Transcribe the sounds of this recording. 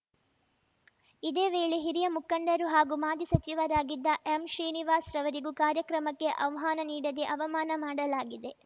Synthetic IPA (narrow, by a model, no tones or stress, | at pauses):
id̪eːʋeːɭeɦiɾijɐmukɐɳɖɐɾuɦaːɡumaːd̪isɐt͡ʃiʋɐɾaːɡid̪ːɐʔemʃɾiːniʋaːsɾɐʋɐɾiɡukaːɾjɐkɾɐmɐkːe̞ʔɐʋɐɦaːnɐniːɽɐd̪eʔɐʋɐmaːnɐmaːɽɐlaːɡid̪e̞